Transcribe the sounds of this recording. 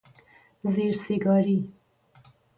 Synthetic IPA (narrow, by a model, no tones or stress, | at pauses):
zeɾseɡɑɾi